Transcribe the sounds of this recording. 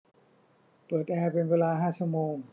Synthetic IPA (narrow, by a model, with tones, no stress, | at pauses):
pɤː˨˩t̪̚ʔɛː˧pe˧nweː˧laː˧ɦaː˥˩si˧˥˩p̚moː˧ŋ